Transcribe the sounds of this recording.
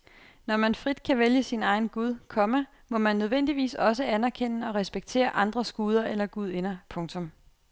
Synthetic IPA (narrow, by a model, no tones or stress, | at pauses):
nɒmænfʁid̥kʰæʋeljəsinɑ̈ɪn̩ɡ̥uð̞ˠkʰɒ̽mə | mɒ̽mænːøð̞ˠʋen̰d̥iʋḭːsɒ̽s̬əænæɐkʰen̰əɒ̽ʁɛsb̥eɡ̥̚t͡sʰe̝̰ːɐʔɑ̈nd̥ʁɐsɡ̥uːð̞ˠɐelɐɡ̥uð̞ˠe̝nɐpʰɔ̽ŋt͡sʰɔ̽m